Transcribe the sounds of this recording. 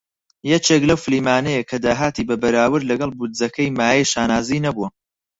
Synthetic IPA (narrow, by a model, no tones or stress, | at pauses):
jɛt͡ʃeklɐwfɨliːmaːnɛjekʰɐd̪aːɦaːt̪iːbɐbɐɾaːwɨɾlɐɡɐlˠbud̪zɐkʰɐjmaːjɛjʃaːnaːzinɐbuwɐ